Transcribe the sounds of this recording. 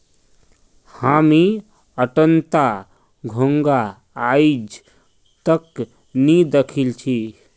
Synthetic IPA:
hami | əʈənt̪a | ɡʱõŋɡaː | jd͡ʒ | t̪ək | nid̪ekʰilt͡ʃʰi

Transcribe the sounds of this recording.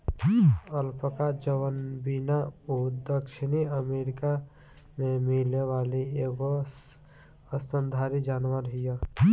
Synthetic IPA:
əlpəkad͡ʒəʋənbinaod̪əkʃɪniəmeːɾɪka | mẽmɪleʋaːlieːɡo | əsənd̪ʱaːɾid͡ʒaːnwəɾɦɪja

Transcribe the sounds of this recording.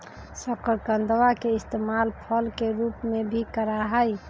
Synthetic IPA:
səkəɾkənd̪ʋakeist̪emalpʰəlkeɾupmebʱikəɾaɦəj

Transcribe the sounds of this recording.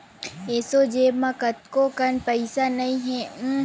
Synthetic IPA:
eːsod͡ʒeːmãkɐt̪̚kokɐnpɐɪsanɐĩɦɛ̃

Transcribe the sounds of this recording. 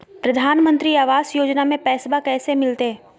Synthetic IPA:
pɾɐd̪ʱaːnmə̃nt̪ɾiaːʋaːsjoːd͡ʒnamẽpɛːsbakɛːsemɪlt̪eɦɛ̃ː

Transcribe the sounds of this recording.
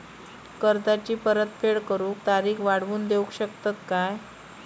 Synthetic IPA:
kəɾt̪at͡ɕiːpəɾət̪pʰeɭkəɾuːk̚t̪aɾiːkʋaɽʋuːnd̪eukɕək̚t̪at̪kaj

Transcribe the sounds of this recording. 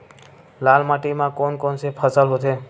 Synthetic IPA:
laːlmaʈimãkonkɔnsepʰəsəlɦot̪ʰe

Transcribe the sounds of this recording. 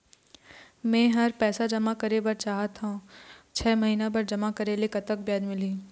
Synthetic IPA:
mɛ̃ːɦɐɾpɛːsad͡ʒɐmakɐɾebɐɾt͡ʃaːɦat̪ãt͡ʃʰɛːmɐɦiːnapɐɾd͡ʒɐmakɐɾeːlekɐt̪ək̚bjaːd̪mɪliː

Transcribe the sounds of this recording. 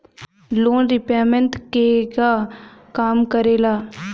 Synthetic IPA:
loːnɾɪpaːmə̃nʈ̪kekaːkaːmkəɾeːlaː

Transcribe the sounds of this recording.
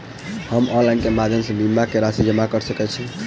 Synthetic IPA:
həmɔnlainkemad̪ʱənsəbimːakeɾasid͡ʒəmakəɾsəkɛt͡ʃʰi

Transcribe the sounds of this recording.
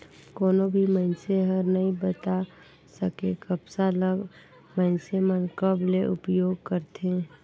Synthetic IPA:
koːnobʱiməɪnseɦəɾnəĩbət̪a | səkekəbsaləɡ | məɪnsemənkəbleʔʊpjoːɡ̚kəɾt̪ẽ

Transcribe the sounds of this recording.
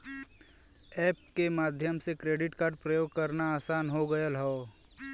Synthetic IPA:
ɛːp̚kemaːd̪ʱjəmsekɾeːɖɪʈkaːɾɖ̚pɾəjoːɡ̚kəɾnaaːsaːnɦoɡəjəlɦoː

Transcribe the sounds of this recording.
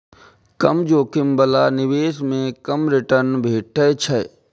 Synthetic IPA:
kɐmd͡ʒoːkɪmbəlaːnɪʋeːsmẽkəmɾɪʈəɾnbʱeːʈʰət͡ʃʰɐ

